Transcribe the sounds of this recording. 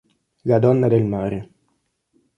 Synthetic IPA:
lad̪ɔnːad̪elmaːɾe

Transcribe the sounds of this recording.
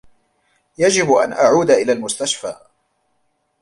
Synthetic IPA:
jad͡ʒɪbʔa̰nʔaʕuːd̪aʔɪlaːlmʊst̪aʃfa̰ː

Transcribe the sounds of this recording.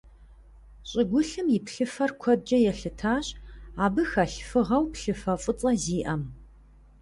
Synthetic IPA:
ɕʼɪɡʷʊɬɨmjɪpɬɨfɐrkʷʰɔd̚d͡ʒɐjɛɬɨtʰaːɕaːbɨxɐɬfɨʁɐwpɬɨfɐfʼʊt͡sʼɐziːʔɐm

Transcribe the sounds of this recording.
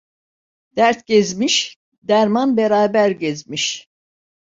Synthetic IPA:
d̪̥æɾt̪̚ɟɛzmiʃ | d̪æɾmanbɛɾaːbæɾɟɛzmiʃ

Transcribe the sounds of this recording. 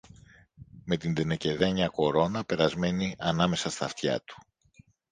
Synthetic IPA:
me̞t̪ind̪enece̞ðeɲɐko̞ɾo̞nɐpe̞ɾɐzme̞niʔɐnɐme̞sɐst̪ɐ̰ft̪çɐ̰t̪u̥

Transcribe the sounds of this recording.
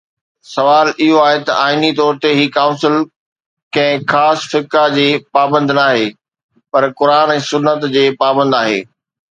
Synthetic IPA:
sɐʋaːlɪɦoaːɦet̪ɐ̰ʔaːɪnit̪ɔːɾt̪eɦiːkaːʊ̃nsɪl | kɐ̃ɦɪ̃xaːsfɪkad͡ʑeːpaːbə̃nd̪naːɦeː | pɐɾkʊɾaːnɛ̃ːsʊnːət̪d͡ʑeːpaːbə̃nd̪aːɦḛː

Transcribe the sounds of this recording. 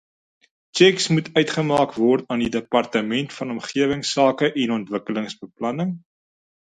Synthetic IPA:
t͡ʃɛksmutʰœɥtχəmɑːkvɔrtɑːndidəpɐrtəmɛntfɐnɔmχiəvəŋsɑːkəʔɛnɔntvəkələŋsbəplɐnəŋ

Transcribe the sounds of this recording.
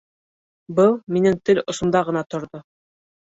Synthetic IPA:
bɤlˠminɘŋt̪ɘlŏsŏmd̪ɑʁɤ̆nɑt̪ŏɾðo

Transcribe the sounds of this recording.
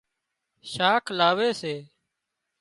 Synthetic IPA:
ʃaːkʰlaːʋeːseː

